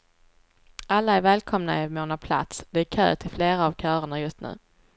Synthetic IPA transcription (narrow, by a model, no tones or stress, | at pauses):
ʔalːaæɾvɛːlkʰɔmna̰ɪmoːnapʰla̰t̪sd̪ɛæɾkʰø̰ːt̪ʰɪlfleːɾaːvkʰœːɾəɳajɵst̪nʉ̟̰ː